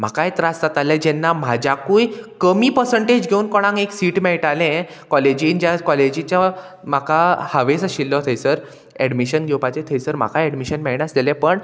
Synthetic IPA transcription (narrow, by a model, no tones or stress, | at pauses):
m̤akaet̪ɾast̪at̪alẽd͡ʑɛnːam̤ad͡ʑakuːjkəmiːpəɾsəɳʈed͡ʑɡʱeuːnkɔɽ̃ãŋeksiːʈmɛɭʈalẽ | kɔled͡ʑind͡ʑjakɔled͡ʑĩt͡ɕja | m̤akahaʋesəɕilːɔt̪ʰəjsəɾ | ɛɖmiɕənɡʱewpat͡ɕet̪ʰəjsəɾm̤a̰kʰaɛɽmiɕənmɛɭɳjasd̪elɛ̃pəɳ